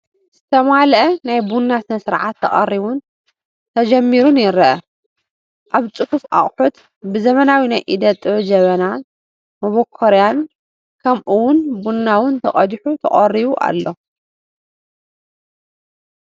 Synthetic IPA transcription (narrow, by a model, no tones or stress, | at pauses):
z̥ɨt̪ʰɐmalʔɐnajbunːat̪ʰɨnsɨɾʕat̪ʰːɐχʼɐ̰rːiβun | t̪ʰɐd͡ʒɐmːiɾunjɪɾɐʔɐ | ʔaβt͡sʼɨhufʔa̰χʼħut̪ | bɨzɐmɐnawinajʔid̪ɐt̪ʼɨd͡ʒɐβɐna | mɐβokʰːoɾjan | kʰɐmʔuwʊnbunːawʊnt̪ʰɐχʼɐd̪ħut̪ʰɐ̰χʼɐriβuʔa̰lːo̞